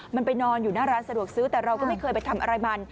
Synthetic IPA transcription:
ma˧npa˧jnɔː˧njuː˨˩naː˥˩ɾaː˦˥nsa˧du˨˩ək̚sɯː˦˥t̪ɛː˨˩ɾa˧wkɔ˥˩ma˥˩jkʰɤː˧jpa˧jt̪ʰa˧mʔa˧ɾa˧jma˧n

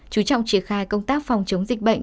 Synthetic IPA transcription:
t͡ɕu˨˦t͡ɕɔ̰˧˨wŋ͡mt͡ɕi˧˩ənxaː˧jkə˧wŋ͡mt̪aː˦˥k̚fɔ˨˩wŋ͡mt͡ɕə˨˦wŋ͡mzï˨˩k̟̚ɓə̰˧˨jŋ

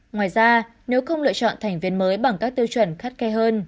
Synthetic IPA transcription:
ŋwaː˨˩jzaː˧ | ne˨˦wxə˧wŋ͡mlɨ̰˧ət͡ɕɔ̰˧˨nt̪ʰa˨˩jŋ̟vi˧˩ənməː˨˦jɓa˨˩ŋkaː˦˥k̚t̪ɨ˧wt͡ɕwə˧˩nxa˦˥t̚kɛ˧ɦəː˧n

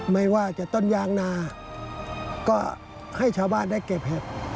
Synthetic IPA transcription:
ma˧˩jwaː˧˨t͡ɕa˧˩t̪o˧˥˨njaː˧˩˨ŋnaː˧˩ | kɔː˧˩ | ha˧˥˩jt͡ɕʰaː˧˩wbaː˧˨nda˥˩˨jke˧˩p̚hɛ˧˩p̚

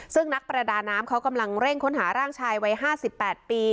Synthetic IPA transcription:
sɯ˥˩ŋna˦˥k̚pɾa˧daː˧naː˦˥mkʰa˦˥wka˧mla˧ŋɾe˥˩ŋkʰo˦˥nɦaː˩˦ɾaː˥˩ŋt͡ɕʰaː˧jwa˦˥jɦaː˥˩si˨˩pːɛː˨˩t̪̚piː˧

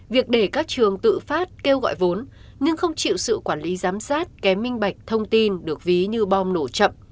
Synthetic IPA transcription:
vi˨˩ək̚ɗe˧˩kaː˦˥k̚t͡ɕɨ˨˩əŋt̪ɨ̰˧˨faː˦˥t̚ke˧wɣɔ̰˧˨jvo˨˦n | ɲɨ˧ŋxə˧wŋ͡mt͡ɕḭ˧˨wsɨ̰˧˨kwaː˧˩nli˨˦zaː˨˦msaː˦˥t̚kɛ˨˦mːï˧ŋ̟ɓa˨˩jk̟̚t̪ʰə˧wŋ͡mt̪i˧nɗɨ˨˩ək̚vi˨˦ɲɨ˧ɓɔ˧mno˧˩t͡ɕə̰˧˨m

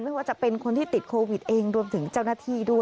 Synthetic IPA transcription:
nma˥˩jwaː˥˩t͡ɕa˨˩pe˧nkʰo˧nt̪ʰiː˥t̪i˨˩t̪̚kʰoː˧wi˨˩t̪̚ʔeː˧ŋɾu˧mt̪ʰɯ˩˦ŋt͡ɕaː˥˩wnaː˥˩t̪ʰiː˥˩du˥˩əj

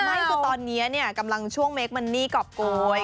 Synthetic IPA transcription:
ma˥˩jt̪ɔː˧nːi˦˥ɐni˥˩ɐka˧mla˧ŋt͡ɕʰu˥˩əŋme˦˥k̚ma˧nːiː˥˩kɔ˨˩p̚koː˧j

